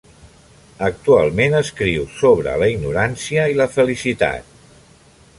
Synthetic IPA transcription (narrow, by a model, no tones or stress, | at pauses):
ək̚t̪ua̰lˠmenəskɾiwsoβ̞ɾə̰ləiɡnuɾansiəiləfəlisit̪a̰t̪̚